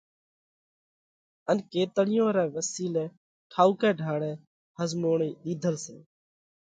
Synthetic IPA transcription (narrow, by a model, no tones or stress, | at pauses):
ənkeːt̪əɽɪjõːɾɛːʋəsiːlɛː | kʰaːuːkɛːɖʱaːɽɛː | həzmoːɳiːɗ̪iːd̪ʱəlsḛː